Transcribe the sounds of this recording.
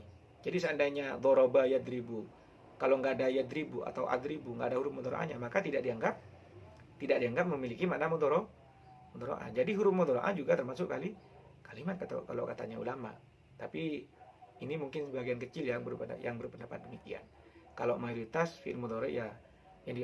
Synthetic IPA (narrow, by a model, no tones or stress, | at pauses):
d͡ʒadisəandajɲad̪ɔɾɔbajad̪ɾibu | kaloŋɡaːdajad̪ɾibua̰t̪awʔa̰d̪ɾibuŋɡa̰ːdahuɾʊp̚mɔd̪ɔɾo̰ʔa̰ɲamakat̪idaʔ̚diaŋɡap̚ | t̪idaʔ̚diaŋɡap̚məmilikimaʔnamɔd̪ɔɾɔ | mɔd̪ɔɾo̰ʔa̰nd͡ʒadiɦuɾʊmɔd̪ɔɾo̰ʔa̰nd͡ʒuɡat̪ərmasʊʔkali | kalimat̪̚kat̪a̰ka̰lo̰kat̪a̰ɲaṵlama̰ | t̪apiː | nimuŋkɪnsəbaɡiankət͡ʃɪljaŋbəɾupa̰ja̰ŋbəɾupəndapat̪̚dəmikia̰n | kalomajoɾit̪asfḭmɔd̪ɔɾɔ̰ja | jaŋdi